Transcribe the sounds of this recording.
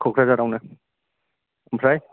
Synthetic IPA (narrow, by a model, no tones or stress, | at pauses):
kʰokʰɾazaɾawna | mpʰɾaj